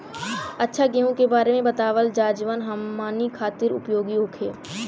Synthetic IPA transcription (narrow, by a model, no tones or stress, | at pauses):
ɐtːʃʰaɡeːɦõkebaːɾemẽbɐt̪aːʋəld͡ʒaːd͡ʒʋənɦɐmːaːnikʰaːt̪ɪɾʊ̰pjoːɡiɦoːkʰḛː